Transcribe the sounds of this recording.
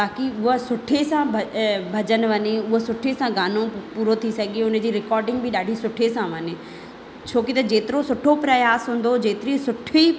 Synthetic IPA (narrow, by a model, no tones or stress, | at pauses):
t̪aːkiʊɦsʊʈʰesãbʱɐbʱɐd͡ʑən̆ʋɐɲeʊɦosʊʈʰesãɡaːnõpuːɾot̪ʰisɐɡieʊnə̆d͡ʑiːɾɪkɔːɾɖɪ̃ŋɡ̚bɪɗaːɖʱisʊʈʰesãʋɐɲe | t͡ɕʰoːkit̪ɐd͡ʑeːt̪ɪɾosʊʈʰopɾɐjaːsɦũːn̆d̪od͡ʑeːt̪ɪɾisʊʈʰi